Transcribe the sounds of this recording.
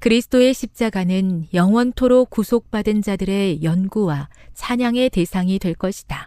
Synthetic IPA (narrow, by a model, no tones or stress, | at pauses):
kɯɾisʰɯ̥t͈ʰoe̞ɕʰip̚t͡ɕ͈aɡanɯnjʌŋwʌntʰoɾokusʰok̚p͈adɯnd͡ʑadɯɾe̞jʌnɡuwat͡ɕʰaɲaŋe̞te̞sʰaŋidwe̞ɭk͈ʌɕʰi̥d̥a